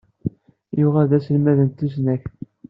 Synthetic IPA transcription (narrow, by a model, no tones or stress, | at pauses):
jʊʁæðæsəlmæðənt̪ːusnæç